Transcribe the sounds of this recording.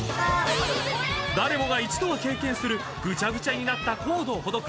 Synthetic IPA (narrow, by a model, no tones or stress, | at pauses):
d̪aɾe̞mo̞ɡait͡ɕi̥d̪o̞βake̞ːkẽ̞ɰ̃sɨɾɯ̟ | ɡɯ̟t͡ɕaɡɯ̟t͡ɕaɲ̟inat̪ːako̞ːd̪o̞ːho̞d̪o̞k